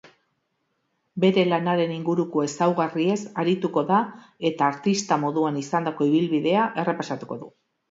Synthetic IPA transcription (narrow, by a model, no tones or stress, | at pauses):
be̞ɾe̞lanaɾe̞niŋɡuɾuko̞e̞sawɣarie̞saɾit̪uko̞ða | e̞t̪aːɾt̪ist̪amo̞ðuanisand̪ako̞iβ̞ilβiðe̞aʔe̞re̞pasat̪uko̞ðu